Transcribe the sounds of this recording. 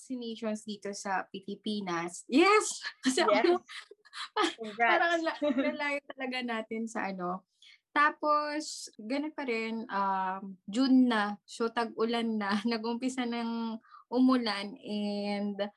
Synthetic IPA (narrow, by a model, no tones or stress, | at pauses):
sɪneːʃonsd̪iːt̪o̞sɐpɪlɪpiːnɐsjɛskɐsɛo | paaːɾɐŋɐlakɐlaːjot̪ɐlɐɡanaːt̪ɪnsɐ̰ʔɐno̞ | t̪aːpo̞sɡɐnonpɐɾɛnʔɐmd͡ʒʊnːɐsot̪ɐɡ̚ʊlanːɐnɐɡʔʊmpɪsanɐŋʔʊmʊlanʔɛnd̪